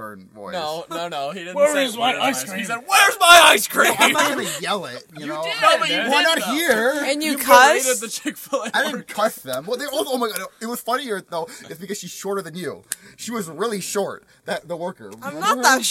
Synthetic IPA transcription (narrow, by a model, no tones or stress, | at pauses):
ɜ̰̃˞dⁿn̩vɔ̰ɪonoʊnoʊiɪwəzmaɪa̰ɪskɹ̥ĩisɛwɛɹzmaɪaɪskʰɹ̥iamɡɨnɨjɛlˠɪt̚jɨnɨoʊobɨwaɪnət̚hiɹɨ̃nnjɨkʰʌidɪd̪̚ðɨt͡ʃʰekfɪlˠaɪ̃vkʰʌʃðə̃mwʌt̪̚ðəɔlˠsooʊmaɪɡɑɾɨt̚wʌz̥fʌniə˞ðoʊɨtsb̥ɨkʌz̥ʃiz̥ʃɔɹɾə˞ðɨ̃njʉ̰ʃiwʌzɹɪlˠiʃɔɹt̪̚ | ðɨt̪̚ðəwɜ˞kə̰̃˞mnətðə